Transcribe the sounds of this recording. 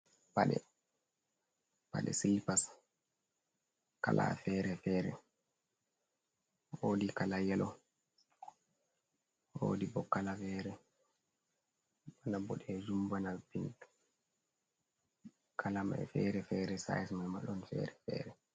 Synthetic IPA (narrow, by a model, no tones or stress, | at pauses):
paɗɛ̰ | pa̰ɗɛ̰silpas | kalʔa̰fɛːɾɛfɛːɾɛ̰ | woːdikalajɛlɔ | wo̰dibɔkːalafɛːɾɛ | ɓanabɔɗɛd͡ʒumbanabint | kʰalama̰ɛfɛɾɛfɛɾɛsa̰jɛsmamaɗɔnfɛ̰ɾɛfɛ̰ɾɛ